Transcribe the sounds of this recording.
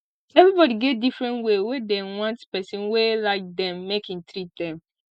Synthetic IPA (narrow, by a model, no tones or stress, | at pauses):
ɛvɹibɔdiɡɛt̚difɹɛ̃ntwewedɛ̃wɔ̃ntspɛsɔ̃nwelaɪk̚d̪ɛ̃mːekĩŋt̪ɹidɛ̃m